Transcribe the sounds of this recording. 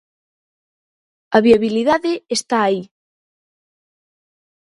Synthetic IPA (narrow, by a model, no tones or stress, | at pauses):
ɐβiaβiliðaðɪest̪aːi